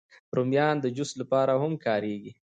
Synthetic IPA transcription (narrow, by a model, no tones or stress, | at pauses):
ɾomjɑnd̪əd͡ʒʊslapɑɾahʊmkɑɾeɡi